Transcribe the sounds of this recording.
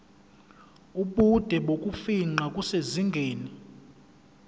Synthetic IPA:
uɓud̥ʱɛɓokʼufiŋ͡ǃakʼuseziŋɡʱeːni

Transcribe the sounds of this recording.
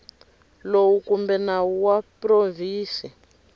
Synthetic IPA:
lowukumbɛnawuwaproviːsi

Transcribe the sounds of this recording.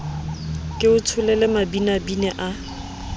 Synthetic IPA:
kʼɪʊtʰʊlɛlɛmabinabinɛʔa

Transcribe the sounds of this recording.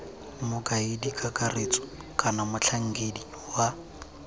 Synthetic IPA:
mʊkʼaidikʼakʼaret͡sʼɔ̥ | kʼanamʊt͡ɬʰaŋ̩ɡedi | wa

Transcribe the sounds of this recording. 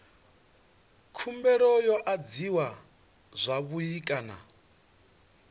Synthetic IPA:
kʰumbɛɾɔjɔʔad͡ziwa | zʷaβujikʼana̰

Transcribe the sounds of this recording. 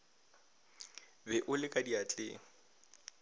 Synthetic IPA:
bɛʔʊlɪkʼadiat͡ɬʼɪ̰ːŋ̩

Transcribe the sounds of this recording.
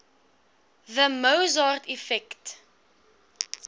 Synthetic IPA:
ðəməwzɑːrtʰɛfɛkt

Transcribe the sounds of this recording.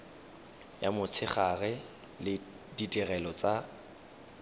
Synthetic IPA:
jamʊt͡sʰɪχaɣɛ | lɪ | ditʼirɛlɔt͡sʼa

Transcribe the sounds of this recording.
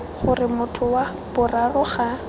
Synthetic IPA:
χʊrɪmʊtʰʊwa | b̥ʊrarʊχa

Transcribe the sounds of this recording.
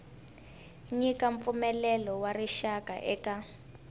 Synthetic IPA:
ɲikaɱp̪fumɛlɛlɔwariʃaka̰ʔɛka

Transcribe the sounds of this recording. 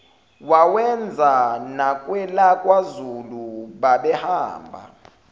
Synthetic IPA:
wawɛnd͡zʱanakʼwɛlakʼwazuluɓaɓɛhaːmbʱa̰

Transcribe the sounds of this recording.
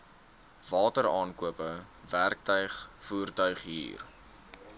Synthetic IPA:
vɑːtəɾɑːnkuəpə | værk̚tœɥχfuːrtœɥχɦḭːr

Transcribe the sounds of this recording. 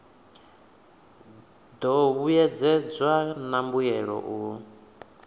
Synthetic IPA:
d̪ɔβujɛd͡zɛd͡zwanambujɛɺɔ̰ʔu

